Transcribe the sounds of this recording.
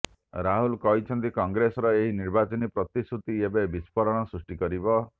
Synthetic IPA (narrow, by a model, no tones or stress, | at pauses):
ɾaɦulkɔɦjt͡ʃʰɔnt̪ikɔŋɡɾesɔɾɔeɦiniɾbat͡ʃɔnipɾɔt̪isut̪iebebispɔɾɔɽ̃ɔsɾusʈikɔɾibɔ